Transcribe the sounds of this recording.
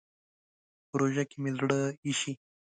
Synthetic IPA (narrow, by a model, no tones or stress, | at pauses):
pɾoʒakemezɽəiʃi